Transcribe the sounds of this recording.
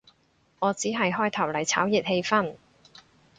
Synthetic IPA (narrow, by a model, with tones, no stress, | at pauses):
ŋɔː˨˧t͡siː˨˥ɦɐ˨jɦɔː˥jt̪ʰɐ˨˩wlɐ˨˩jt͡sʰa̰ː˨˥wji˨˩t̚he˧jfɐ˥n